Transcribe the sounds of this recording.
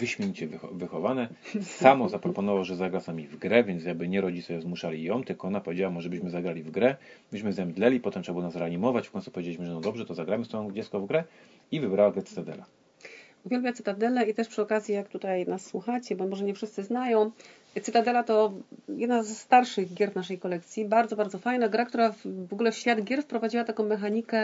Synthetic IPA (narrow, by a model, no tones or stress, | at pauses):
vɘɕmʲjeɲt͡ɕɛvvɘxɔvanɛ | samɔzapɾɔpɔnɔvawʐɛzaɡɾasnamʲivɡɾɛvʲjɛnt̪s̬jaɡ̚bɘɲɛɾɔd͡ʑit̪sɛzmuʂalʲijɔ̃mt̪ɘlkɔɔnapɔvʲed͡ʑawamɔʐɛbɘɕmɘzaɡɾalʲivɡɾɛbɘɕmɘzɛmd̪lɛlʲipɔt̪ɛmtʂbwɔnasɾɛaɲimɔvat͡ɕfkɔ̃ɲ̃ʲt̪u̥pɔvʲjed͡ʑelʲiɕmɘʐɛnɔd̪ɔbʐɛt̪ɔzaɡɾamɘst̪ɔɔ̃d͡ʑɛt̪skɔvɡɾɛ | ivɘbɾawaɡɾɛt̪ɘ̥t̪ad̪ɛ̰la̰ | uvʲjɛlbʲjat̪sɨt̪ad̪ɛlɛit̪ɛʂpʂɘɔkazʲjijakt̪ut̪ajnasːwuxat͡ɕɛbɔmɔʐɛɲɛfʂɘst̪sɘznajɔ̃w̃ | t̪sɨt̪ad̪ɛlat̪ɔjɛd̪nazːt̪aɾʂɘɣɡʲjɛɾvnaʂɛjkɔlɛk̚t̪sʲjibaɾd̪zɔbaɾd̪ɔfajnaɡɾakt̪uɾavɔɡulɛfɕfʲjad̪ɡʲɛɾfpɾɔvad͡ʑiwat̪akɔ̃w̃mɛxaɲikɛ